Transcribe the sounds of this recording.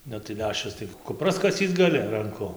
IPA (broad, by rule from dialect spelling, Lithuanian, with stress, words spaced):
ˈnʊ tɐɪ ˈlʲæːʃʲt͡ʃʲɛʊs tɐɪ kʊˈprɐs kɐˈsʲiːt͡s ɡɐˈlʲɪ rɐŋˈkʊ